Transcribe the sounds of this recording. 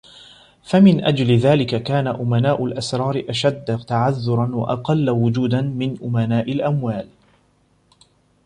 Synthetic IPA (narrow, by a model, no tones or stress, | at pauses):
famɪnʔad͡ʒlɪðaːlɪkakaːnaʔʊmanaːʔʊlʔasɾˤɑːɾɪʔaʃad̪ːt̪aʕaðːʊɾˤɑnwa̰ʔɑqɑlːawʊd͡ʒuːd̪anmɪnʔʊmanaːʔɪlʔamwaːl